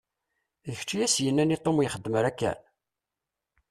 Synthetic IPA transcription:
əçt͡ʃːijæsjənːænit̪ˤːomjχəd̪ːməɾækːæ̰n

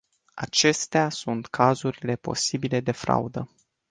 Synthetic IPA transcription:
a̰t͡ʃe̞st̪easunt̪kʰazuɾile̞po̞sibile̞d̪e̞fɾa̰ud̪ə

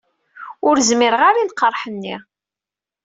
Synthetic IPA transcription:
ʊɾzmɪɾʁaɾinqːəɾˤħənːi

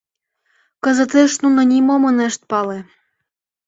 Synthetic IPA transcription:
kɤ̆zɤ̆t̪eʃnunɤ̆nʲimomɤneʃt̪̚pɑle

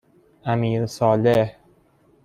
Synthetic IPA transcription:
ʔæmiːɾsɒːleh

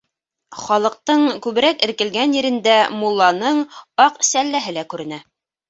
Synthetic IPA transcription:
χɒlˠɤ̆q̚t̪ɤɴkʉβɘ̆ɾækɘ̆ɾkɘ̆lɡænjɘ̆ɾɘ̆nd̪æmulˠːɑnɤɴɑqsælːæɦɘlækʉɾɘ̆næ

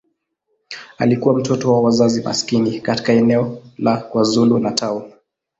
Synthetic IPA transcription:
alikuwam̩tɔtɔwawazazima̰skinikati̥kaɛnɛɔlakwazulunatʰau

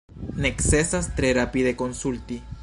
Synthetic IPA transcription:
neksesast̪ɾeɾapiðekonsult̪i

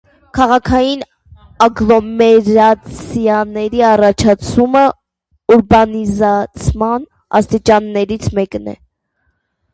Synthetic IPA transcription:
kʰɑʁɑkʰɑjin | ɑɡlɔmɛɾɑt͡sʰjɑnɛɾiɑrɑt͡ʃʰɑt͡sʰumə | uɾbɑnizɑt͡sʰmɑn | ɑ̰st̪it͡ʃɑnːɛɾit͡sʰmɛknɛ̰

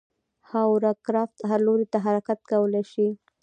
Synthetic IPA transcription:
hawɾakɾɑft̪aɦaɾloɾet̪aɦaɾakat̪̚kawəlajʃi

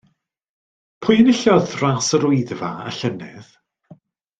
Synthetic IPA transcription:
pʰʊjənɪɬɔðrasəɾʊɨðvaa̰ɬənɪ̰ð

